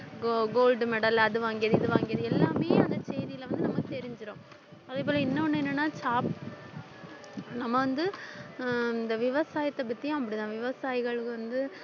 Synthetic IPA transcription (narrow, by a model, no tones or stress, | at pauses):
ɡoːlɖmɛɽɐlɐðɯʋaːŋɡɪjɐðɯɪðɯʋaːŋɡɪjɐðɯɛlːaːmeːɐnd̪ɐt͡ʃɛjðɪjɪlʋɐnd̪ɯnɐmːɐkːɯt̪ɛɾɪɲd͡ʒɪɾõː | ɐðeːp̬oːlɐɪnːɐɔnːɯɛnːɐnːaːt͡ʃaːp | nɐmːɐʋɐnd̪ɯ | ɪnd̪ɐʋɪʋɐsaːjɐt̪ːɐbɐt̪ːɪjʊ̃ɐpːɐɽɪt̪ãːʋɪʋɐsaːjɪɣɐɭɯkːɯʋɐnd̪ɯ